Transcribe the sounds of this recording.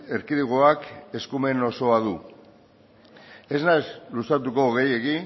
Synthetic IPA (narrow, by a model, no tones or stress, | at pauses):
e̞ɾkiðiɣ̞oake̞skume̞no̞so̞aðu | e̞znajzlusat̪uko̞ɣe̞je̞ɣi